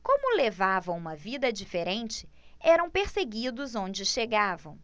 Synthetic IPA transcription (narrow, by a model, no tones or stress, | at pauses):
kõmʊlevavɐ̃w̃ũmɐvid̪ɐd͡ʒifeɾẽnt͡ʃɪ̥ | ɛɾɐ̃w̃peɾseɡid̪ʊzõd͡ʒɪʃeɡavɐ̃w̃